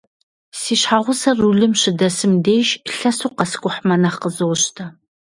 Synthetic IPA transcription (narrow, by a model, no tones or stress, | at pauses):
siːɕħaʁʷʊsɐruɮɨmɕɪdɐsɨmdeːʃɬɐsuːqɐskʷʼʊħmɐnɐχqəzɨwɕtʰɐ